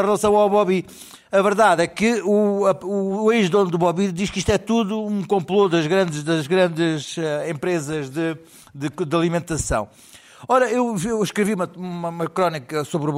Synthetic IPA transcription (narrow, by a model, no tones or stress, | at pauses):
ɐʁlˠɐsɐ̃w̃awβɔβi | ɐvɨɾðaðɛkɨuɐueʒðõnd̪uβɔβid̪iʃkiʃt̪wɛt̪uðuũkõmplˠoðɐʒɣɾɐ̃nd̪ʃðɐʒɣɾɐ̃nd̪ɨzɛẽmpɾezɐʒðɨ | d̪ɨd̪ɐlˠimẽnt̪ɐsɐ̰̃w̃ | ɔɾɐewewʃkɾɨviumɐumɐumɐkɾɔnikɐsoβɾuβ